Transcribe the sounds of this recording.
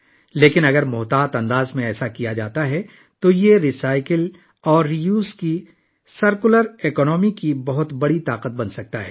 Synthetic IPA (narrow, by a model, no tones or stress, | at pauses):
leːkɪnɐɡəɾmʊɦt̪aːt̪ɐ̃nd̪aːzmẽɛːsakijad͡ʒaːt̪aɦɛ | t̪ojeɾisaːɪkəl | ɔːɾːijuːski | sɐɾkʊləɾeːkɔːnɔːmikibɐɦʊt̪bɐɽit̪aːqət̪̚bɐ̃nsɐk̚t̪aɦɛ̰ː